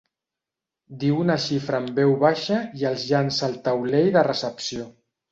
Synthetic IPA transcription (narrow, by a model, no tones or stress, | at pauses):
d̪iwunəʃifɾəːmbɛwβaʃəiəlˠzʒansəlˠt̪əwlejðərəsəpsio